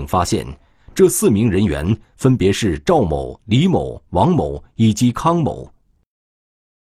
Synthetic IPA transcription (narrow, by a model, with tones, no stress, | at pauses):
ŋfa˥ɕjɛ̰˥˩n | ʈ͡ʂɤ˥˧sɹ̩˥˩mi˧˥ŋɻə˧˥nɥɛ̰˧˥n | fə˥npjɛ˧˥ʂɻ̩˥˧ʈ͡ʂɑ˥˩ʊmo̰˨˩ʊli˧˥mo˨˩˦ʊwɑ˧˥ŋmo˨˩ʊi˨˩t͡ɕi˧˥kʰɑ˥ŋmo̰˨˩˦ʊ